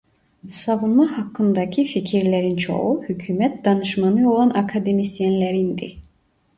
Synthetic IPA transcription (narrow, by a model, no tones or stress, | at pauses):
sɑvunmɑhɑkːɯnd̪ɑcʰificʰiɾlæɾint͡ʃʰo̞̰ɣuhycʰyːmɛt̪̚d̪ɑnɯʃmɑnɯo̞lˠɑnɑkʰad̪emist̪jɛnlæɾind̪ḭ